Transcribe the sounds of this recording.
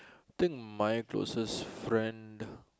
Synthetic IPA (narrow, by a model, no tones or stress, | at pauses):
t̪ĩŋkmajklo̰səsfɹɛ̃nd